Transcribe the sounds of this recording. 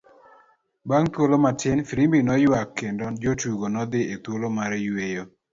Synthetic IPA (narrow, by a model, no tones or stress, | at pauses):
baŋt̪wolomatɪnfiɾimbinɔjwakːendod͡ʒotuɡonɔd̪ɪet̪wolomaɾejwejo